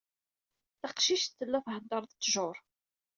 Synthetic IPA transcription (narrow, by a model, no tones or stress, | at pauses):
θɑqʃiʃt̪ːəlːæfhənd̪ɑɾˤðt̪ːʒʊɾˤ